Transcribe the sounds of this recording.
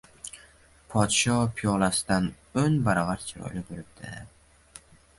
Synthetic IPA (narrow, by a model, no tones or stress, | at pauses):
pʰɒt̪ʃɒpʰijɒlasɪ̥d̪an | ɵnbaɾɒvaɾt͡ʃʰɪɾɒ̰jlɪboɾɪb̚d̪̥ɪ̰